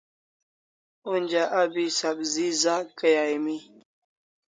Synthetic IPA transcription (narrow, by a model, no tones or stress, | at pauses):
und͡ʑaʔabisabzizakəjaːimi